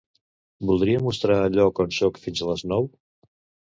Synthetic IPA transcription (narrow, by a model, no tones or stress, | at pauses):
bulˠd̪ɾiəmust̪ɾaːʎɔkənʃɔkfinzələznɔw